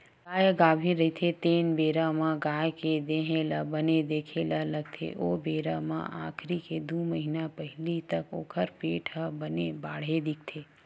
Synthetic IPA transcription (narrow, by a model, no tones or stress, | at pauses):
ɡaːjɡaːbʱiɾɐɦit̪ʰet̪eːnbeːɾamãɡaːjked̪eːɦẽlɐbɐned̪eːkʰelɐlɐɡ̚t̪ʰḛʔoːbeːɾamã̰ʔa̰ːkʰɾiked̪uːməɦinapəɦlit̪ɐko̰ːkʰəɾpeːʈʰəbɐnebaːɽ̤ed̪ɪk̚t̪ʰeː